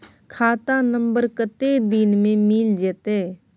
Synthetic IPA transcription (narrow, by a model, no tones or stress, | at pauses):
kʰaːt̪ãːnəmbəɾkət̪eːd̪ɪnmẽːmɪld͡ʒet̪eː